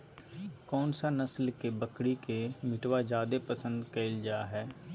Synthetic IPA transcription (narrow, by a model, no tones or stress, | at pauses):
kɔːnsanəslkebəkɽikemɪʈʋaːd͡ʒaːd̪epəsə̃nd̪keːld͡ʒaaɦɛː